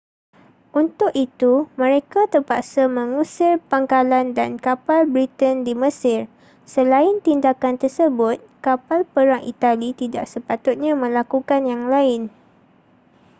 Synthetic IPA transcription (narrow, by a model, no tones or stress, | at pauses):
ʔunt̪ʊkit̪umə̃ɾekat̪ərpaʔsamə̃ŋũsɪrpaŋkalandankapalbɾit̪əndiməsɪr | səlaɪnt̪indakant̪ərsəbʊt̪̚kapalpəɾaŋʔḭt̪alit̪ida̰ʔ̚səpat̪ʊt̪̚ɲãmə̃lakukanjaŋlaɪn